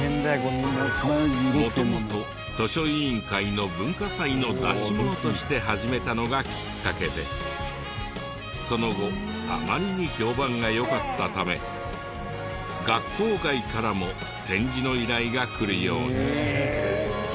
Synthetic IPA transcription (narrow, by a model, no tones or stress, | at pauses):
mo̞t̪omot̪o̞ | t̪o̞ɕo̞ĩŋkaino̞bɯ̟̃ŋkasaino̞d̪a̰ɕibo̞t̪o̞ɕi̥t̪e̞ɦaʑime̞t̪ano̞ɡakʲi̥kːake̞d̪e̞̰ | so̞no̞ɡo̞ | a̰maɾʲiɲ̟iço̞ːbãŋɡajo̞kat̪ːat̪ame̞̰ | ɡakːo̞ːkaikaɾamo̞ | t̪ẽ̞ɲ̟d͡ʑino̞iɾaiɡakɯ̟ɾɯ̟jo̞̰ːɲi